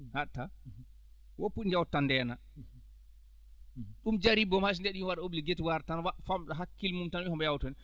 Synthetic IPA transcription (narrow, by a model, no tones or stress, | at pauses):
hatːa | wɔpːuɗind͡ʒawtːandɛːna | ɗumd͡ʒaɾibɔmhas̬ndɛɗiwaɗaobliɡetiwaɾtanwafamɗaɦakːilmumtanɛhɔmbɛjawtɔnɛ